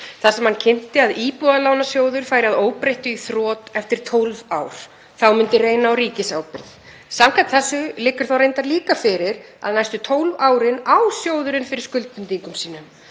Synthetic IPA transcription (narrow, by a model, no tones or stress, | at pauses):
θasɛmhancʰɪn̥t̪ɪaðiːpuðalaːwnasjoːwðʏɾ̥faːjɾɪaðoːwpɾejht̪ʏiθɾɔːt̪ɛft̪ɪɾ̥t̪ʰowlvaːwɾ̥ | θawmʏnt̪ɪrejnaːwɾiːcɪsawpɪɾð | samkʰaht̪θɛsʏlɪkːʏɾ̥θawɾejnt̪aɾliːkafɪɾɪɾa̰ðnajst̪ʏt̪ʰowlvaːwɾɪnawsjoːwðʏɾʏnfɪɾɪɾ̥skʏlt̪ʏnt̪iŋkʏmsiːnʏm